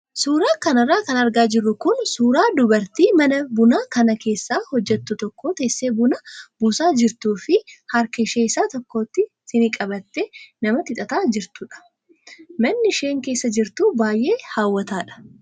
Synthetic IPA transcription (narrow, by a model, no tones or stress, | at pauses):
suːɾaːkɐnɐrːaːkɐnɐɾɡaːd͡ʒɪrːʊkʊnsuːɾaːd̪ʊbɐɾt̪iːmɐnɐbʊnaːkɐnɐke̞ːsːaːhɔd͡ʒːɛt̪ːʊt̪ɔkːo̞ːt̪e̞ːsːe̞ːbʊnɐbʊsaːd͡ʒɪɾt̪uːfɪhɐɾkɛʃeːɪsaːt̪ɔkːo̞ːt̪ːɪ | sɪnɪkʼɐbɐt̪ːenɐmɐt̪ɪt̪ʼɐt̪aːd͡ʒɪɾt̪ʊᶑɐ̥ | mɐnːɪʃe̞ːŋke̞ːsːɐd͡ʒɪɾt̪uːbaːjʔe̞ːhaːwːɐt̪aːᶑɐ̥